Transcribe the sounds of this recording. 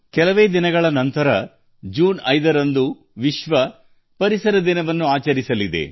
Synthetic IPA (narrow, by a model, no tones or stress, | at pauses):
kɛlɐʋe̞ːd̪inɐɡɐɭɐnɐnt̪ɐɾɐ | d͡ʒuːnɐjd̪ɐɾɐnd̪u | ʋiʃʋɐ | pɐɾisɐɾɐd̪inɐʋɐnːuaːt͡ʃɐɾisɐlid̪e̞̰